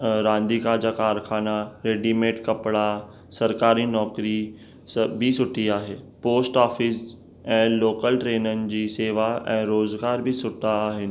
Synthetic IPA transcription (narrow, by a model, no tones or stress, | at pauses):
ɾãːnd̪ikaːd͡ʑaːkaːɾxʰaːnaɾeːɖimeːʈkɐpɽa | sɐɾkaːɾinɔːkɾi | bʱɪsʊʈʰiaːɦeːpoːsʈɔːfɪs | ɛ̃ːloːkəlʈɾeːnənɪ̆d͡ʑiːseːʋaɛ̰̃ːɾoːzɡaːɾbɪsʊʈʰaːɦɪnɪ̆